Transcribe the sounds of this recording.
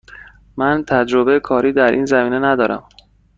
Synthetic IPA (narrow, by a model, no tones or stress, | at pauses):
mænt̪ʰæd͡ʒɾobeekʰɒːɾiːd̪æɾʔiːnzæmiːne̞næd̪ɒːɾæ̰m